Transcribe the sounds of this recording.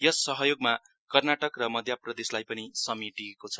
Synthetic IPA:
jʌsʌɦʌjoɡma | kʌrnaʈʌkrʌmʌd̪ʱjaprʌd̪eslajpʌnisʌmiʈiekot͡sʰʌ̥

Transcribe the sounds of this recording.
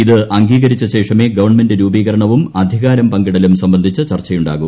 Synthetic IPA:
iðɨʔɐŋɡiːɣɐɾit͡ɕːɐɕe̞ːʂɐme̞ːɡɐʋɐrɳme̞ndɨɾuːbiːɣɐɾɐɳɐʋumɐd̪ʱiɣaːɾɐmpɐŋɡiɽɐlumsɐmbɐnd̪ʱit͡ɕːɨt͡ɕɐrt͡ɕːɐjuɳɖa̰ːɣu

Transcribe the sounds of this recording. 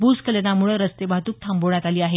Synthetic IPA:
buskəlenamuɭəɾəst̪ebaɦt̪uːk̚t̪ʰamboɳ̃jat̪aliːaɦe

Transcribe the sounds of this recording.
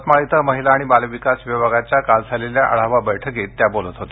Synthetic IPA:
t̪maɭit̪əməɦilaːɽ̃ibalʋikasʋəbʱaɡat͡ɕjakald͡zʱaleljaʔə̰ɭ̤aʋabəjʈʰəket̪ːjabolət̪ɦot̪e̥

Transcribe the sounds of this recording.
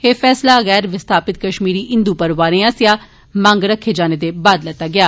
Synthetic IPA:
heːfʰɛːslaːɣɛːɾʋɪst̪ʰaːpɪt̪̚kəʃmiːɾiːʔɪ̃nd̪uːpəɾʋaːɾeãːsɪjaː | mãŋɡɾəkʰːeːd͡ʒaːneːd̪eːbaːd̪lɛːt̪aːɡɪaː

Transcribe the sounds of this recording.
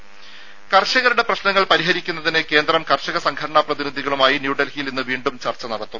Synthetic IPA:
kɐrɕɐɣɐɾuɽe̞prɐɕnɐŋːɐɭpɐɾiɦɐɾikʲːunːɐðineke̞ːnd̪rɐmkɐrɕɐɣɐsɐŋɡʰʱɐɽɐɳaːprɐðiniðʱiɣɐɭumaːjinjuːɖɐlhijilinːɨʋiːɳɖumt͡ɕɐrt͡ɕːɐnɐɽɐt̪ːum

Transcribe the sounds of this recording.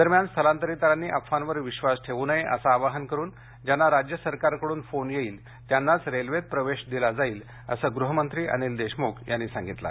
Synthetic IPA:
d̪əɾmjanst̪ʰəlant̪əɾit̪əɾanːiːʔəpfanʋəɾʋiɕʋasʈʰeʋunaeʔə̰saːʋaɦənkəɾuːn | d͡ʑanːaɾad͡ʑjəsəɾkaɾkəɽuːnfonjeiːl | t̪janːat͡sɾelʋet̪̚pɾəʋeɕd̪ilad͡zaiːl | ə̰səɡɾuɦəmənt̪ɾiːʔa̰nild̪eɕmokjanːiːsãŋɡit̪la̰

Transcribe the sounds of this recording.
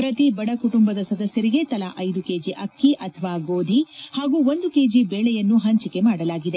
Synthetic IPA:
pɾɐt̪ibɐɽɐkuʈumbɐd̪ɐsɐd̪ɐsjɐɾiɡet̪ɐlaʔɐjd̪ukeːd͡ʒiʔɐkːiʔɐt̪ʰɐʋaːɡoːd̪ʱihaːɡuːo̞nd̪uke̞ːd͡ʒibeːɭɛjɐnːuɦɐɲt͡ʃike̞maːɽɐlaːɡid̪e̞

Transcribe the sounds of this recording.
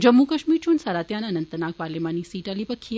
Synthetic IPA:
d͡ʒəmːukɐʃmiːɾt͡ʃʰunsaːɾat̪jananɐnt̪ənak̚paːɾlemanisiːʈalipəkʰi

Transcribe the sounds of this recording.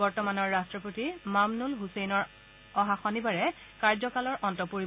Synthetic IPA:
ɔɹtɔmanɔɹːastɹɔpotimamnulɦusejnɔɹ | ɔɦaxɔnibaɹɛ | kaɹzɔkalɔɹʔɔntɔpoɹi

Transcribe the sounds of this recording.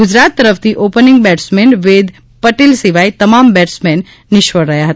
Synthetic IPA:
ɡʊd͡ʒɾat̪ːəɾəpʰt̪ʰiʔopəniŋɡbɛʈsmenʋed̪ | pəʈilsiʋait̪əmambɛʈsmenː | ɪʃʋəɾːəɦjaɦət̪

